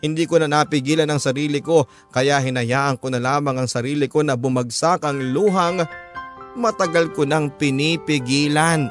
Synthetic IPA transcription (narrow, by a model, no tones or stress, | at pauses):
hɪnd̪iːkonɐnapɪɡiːlɐnɐŋsɐɾiːlɪko̞ | kɐjaʔɦɪnɐjaːʔɐŋkonɐlaːmɐŋɐŋsɐɾiːlɪko̞nɐbʊmɐɡ̚sakɐŋluːɦɐŋ | mɐt̪ɐɡalkonɐŋpɪnipɪɡiːlan